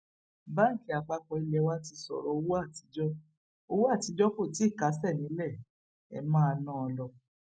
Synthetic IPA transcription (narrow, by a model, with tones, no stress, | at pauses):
ba˦ŋ̩˦˨ki˨˦a˨k͡pa˧kɔ˧i˧lɛ˧wa˦ti˧sɔ̰˨ɾɔ˧o˧wo˦a˦˨ti˨˦d͡ʒɔ˦ | o˧wu˦a˦˨ti˨˦d͡ʒɔ˦ko˦˨ti˨˦i˦˨ka˨˦sɛ˦˨nĩ˨˦lɛ˦˨ | ɛ̰˧˨mã˦˧nã˦ɔ˧lɔ˧